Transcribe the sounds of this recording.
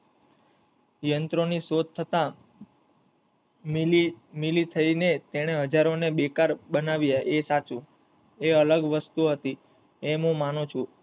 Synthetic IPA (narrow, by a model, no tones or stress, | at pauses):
jənt̪ɾonisod̪̚t̪ʰːət̪ã | milit̪ʰəinet̪eɽ̃eɦəd͡ʒaɾonebekaɾbənaʋjaʔesat͡ʃũ | eələɡʋəst̪uɦət̪i | emũmanũt͡ʃʰu